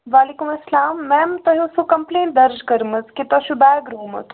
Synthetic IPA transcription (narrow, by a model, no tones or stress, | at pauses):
ʋaːlikumɐslaːmːɛːmt̪ɐɦusukɐmpleːɳʈ̚d̪ɐɾd͡ʒkɐɾmət͡s̪kit̪ɐʃubaːɡɾoːmɐ̰t̪